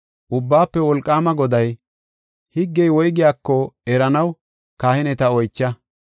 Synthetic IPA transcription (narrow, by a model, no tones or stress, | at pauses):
ʔʊbːaːpːɛwɔlkʼːaːmɐɡɔd̪ɐj | hɪɡːɛjwɔjɡɪjaːkːɔɛɾɐnɐw | kaːhɪnɛt̪ɐɔjt͡ʃːɐ